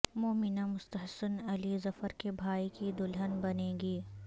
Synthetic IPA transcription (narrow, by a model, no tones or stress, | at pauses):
moːmɪnãmʊst̪əɦsənɐlizɐfəɾkebʱaːikid̪ʊlɦənbɐnẽːɡiː